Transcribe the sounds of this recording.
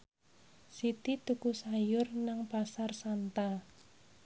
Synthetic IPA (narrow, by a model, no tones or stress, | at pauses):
sit̪it̪ukusajʊrnaŋpasarsant̪a